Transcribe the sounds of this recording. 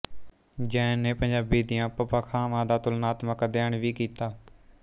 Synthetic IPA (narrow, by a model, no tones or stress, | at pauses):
d͡ʒɛːnːeːpəɲd͡ʒaːbiːd̪ɪjãːpəpaːkʰaːmãːd̪aːt̪ʊlnaːt̪məkd̪eːɳʋiːkiːt̪aː